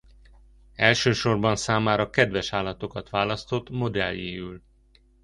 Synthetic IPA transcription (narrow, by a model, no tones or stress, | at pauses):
ɛlʃøːʃo̞rbɒnsaːmaːɾɒkɛd̪vɛʃaːlːɒt̪o̞kɒt̪ʋaːlɒst̪o̞t̪ːmo̞d̪ɛ̰ljeːyl